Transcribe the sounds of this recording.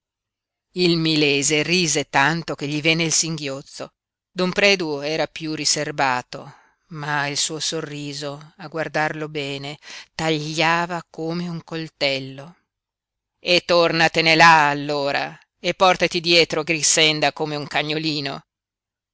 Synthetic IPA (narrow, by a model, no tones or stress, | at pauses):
ilmilɛːzeriːzet̪ant̪ok̟eʎːivenːeilsiŋɡjot̪so̰ | d̪ompɾɛːd̪uɛːɾapjuriservaːt̪o̰ | mailsuːosorːiːzoaɡward̪arlobɛːnet̪aʎːaːvakoːmeuŋkolt̪ɛlːo | et̪ːornat̪enelaːlːoːɾa̰ | epːɔrt̪at̪id̪jɛːt̪ɾoɡɾisːɛnd̪akomeuŋkaɲːoliːno̰